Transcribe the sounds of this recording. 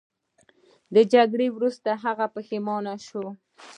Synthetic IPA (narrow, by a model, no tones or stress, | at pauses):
d̪əd͡ʒaɡɽewɾust̪aɦaɣapəxemɑnaʃo